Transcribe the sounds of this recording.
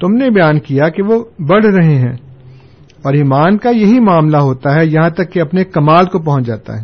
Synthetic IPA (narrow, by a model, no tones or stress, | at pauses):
t̪ʊmnebɐjaːnkijakeʋobɐɽ̤ɾɐɦeɦɛ̃ː | ɔːɾɪmaːnkajɐɦimaːmlaɦoːt̪aɦɛjɐɦãt̪ɐkːeɐpnekɐmaːlkop̬ɐɦʊ̃t͡ʃd͡ʒa̰ːt̪a̰ɦɛː